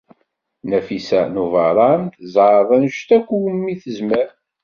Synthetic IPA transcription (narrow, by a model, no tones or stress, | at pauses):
næfisænuvɑɾˤɑmθzɑðˤænʃt̪ækʷːuwəmːiθəzməɾ